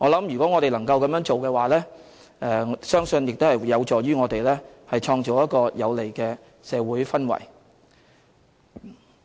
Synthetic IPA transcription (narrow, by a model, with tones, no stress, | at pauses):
ŋɔː˨˧lɐ˨˥mjyː˨kʷɔː˨˥ŋɔː˨˧ɾe˨lɐ˨˩ŋkɐ˧wkɐ˧mjœː˥ŋt͡ʃo˨wkɛː˧waː˨lɛː˥ | ɛ˨˧sœː˥ŋsɵ˧njɪ˨k̚t̪hɐ˨˩jɐ˨˧wt͡sɔː˨˩jɥyː˥ŋɔː˨˧t̪e˨jlɛː˥ | hɐ˨jt͡ʃʰɔː˧ŋt͡so˨˩wjɐ˥t̚kɔː˧jɐ˨˧wle˨˩jkɛː˧ | sɛː˨˧wuː˨˥jfɐ˥nwɐ̰˨˩j